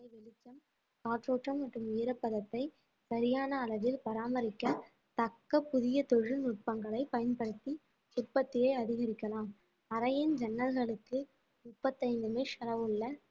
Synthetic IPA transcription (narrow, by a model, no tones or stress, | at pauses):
ɐɪʋɪlɪt͡ʃːɐm | kaːʈɾoːʈrɐmːɐʈrɯmʊjɪɾɐpːɐðɐt̪ːɐɪ | sɐɾɪjaːnɐːɭɐʋɪlpɐɾaːmɐɾɪkːɐ | t̪ɐkːɐpːʊðɪjɐt̪ɔɻɯnʊʈ̚pɐŋɡɐɭɐɪpɐjɐnpɐɽɯt̪ːi | ʊrpːɐt̪ːɪjɐɪɐðɪɣɐɾɪkːɐlaːm | ɐɾɐjɪnd͡ʒɐnːɐlɣɐɭɯk̪ːɯ | mʊpːɐt̪ːɐɪnd̪ɯmeʂɐɾɐʋɯɭːɐ